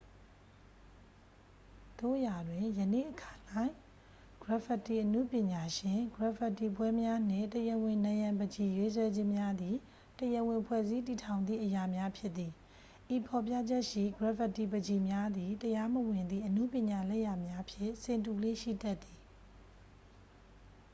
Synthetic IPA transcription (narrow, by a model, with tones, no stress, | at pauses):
d̪̥o̰˦˨ʔja˨dwɪ̃˨jə˨nḛ˦˨ʔəkʰa˨lã˦ɪ̃ | ɡ̥ɹa˨pə˨ti˨ʔənṵ˦˨pjɪ̃˨ɲa˨ʃɪ̃˨ɡɹa˨pʰə˨tːi˨pwɛ˦mja˦n̥ɪ̰̃˦˨təjə˨wɪ̃˨nã˨jã˨mbəd͡ʑi˨jwe˦s̬wɛ˦d͡ʑɪ̃˦mja˦d̪i˨ | təjə˨wɪ̃˨pʰwɛ̰˦˨zi˦ti˨tʰã˨ʊ̃nd̪ḭ˦˨ʔəja˨mja˦pʰjɪ˦ʔ̪t̪ːi˨ | ʔi˨pʰɔ˨p̬ja˦˨d͡ʑɛ˦ʔʃḭ˦˨ɡɹa˨fə˨tːi˨bəd͡ʑi˨mja˦d̪i˨təja˦mə˨wɪ̃˨nd̪ḭ˦˨ʔənṵ˦˨pjɪ̃˨ɲa˨lɛ˦˨ja˨mja˦ʔpʰjɪ̰˦˨sɪ̃˨ntu˨le˦ʃḭ˦˨tɛ˦t̪ːi˨